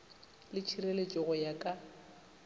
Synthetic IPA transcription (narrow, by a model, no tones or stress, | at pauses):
lɪt͡ʃʰirelet͡ʃʼɪɣʊjakʼa